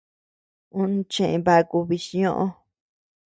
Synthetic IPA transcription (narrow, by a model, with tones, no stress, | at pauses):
ũ˦ñ˧t͡ʃẽ˦˨ʔẽ˧˨βa˧ku˧βi˧ʃi˧ɲõ˦˧ʔõ˦